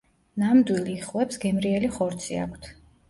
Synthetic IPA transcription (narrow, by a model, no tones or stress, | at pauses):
namd̪wiliːχwɛpsɡɛmɾiɛliχɔɾt̪sʰḭa̰kʷʰt̪ʰ